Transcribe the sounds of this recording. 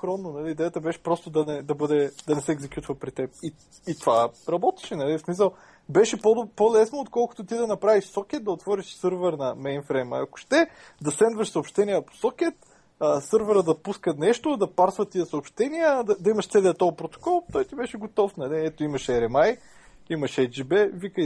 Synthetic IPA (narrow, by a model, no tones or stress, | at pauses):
xɾɔnːonɐliːd̪ɛjət̪əbɛʃɛ̥pɾɔst̪ʊd̪ɐnɛd̪ɐbɤd̪ɛd̪ɐnɛsɛːɡzɛkjut̪vəpɾit̪ɛp̚i | it̪ovaɾɐbɔt̪ɛ̥ʃɛnɐlismisəlˠ | bɛʃɛpod̪polɛsnoːt̪kɔlˠkʊ̥t̪ot̪id̪ɐnɐpɾaviʃsɔk̟ʲɛt̪̚d̪ɐot̪vɔɾiʃsɤɾvɛɾnɐmɛjnfɾɛjmɐ̰ɐkʊ̥ʃt̪ɛ | d̪ɐsɛnd̪vɐʃsɐoːpʃt̪ɛnijəpo̥sɔkʲɛt̪ | əsɤɾvɛɾəd̪ɐpuskət̪nɛʃt̪od̪ɐpaɾsvət̪ːiəsɐopʃt̪ɛniəd̪ɐd̪ɐimɐʃt̪sɛlɛɐt̪ojpɾot̪o̥kɔlˠt̪ɔjt̪ibɛʃɛɡot̪ɔfnɐliɛt̪oimɐʃɛɾɛmaj | imɐʃɛd͡ʒibɛvikəj